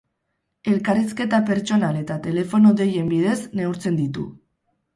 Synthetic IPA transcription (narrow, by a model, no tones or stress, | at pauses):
e̞lkariske̞t̪ape̞ɾt͡ʃo̞nale̞t̪at̪e̞le̞fo̞noðe̞je̞mbið̞e̞zne̞uɾt͡se̞nd̪it̪u